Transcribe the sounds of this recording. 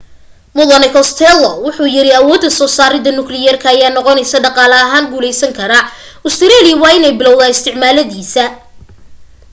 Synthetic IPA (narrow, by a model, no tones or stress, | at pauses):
mʊðɐnɪkʰɔst̪ʰɛlɔwʊħuːjɪɾɪɐwɔːd̪ːɐsɔːsaːɾɪðɐnʊklɪjɐrkʰɐːjaːnɔqɔnɛjsɐɖɑqɑːlɐɐɦaːnɡuːlɛjsɐŋkʰɐɾɐʊst̪ʰɪɾɛliwɑːɪnɛjbɪlɔwðaːɪst̪ʰɪʕmaːlɐðiːsɐ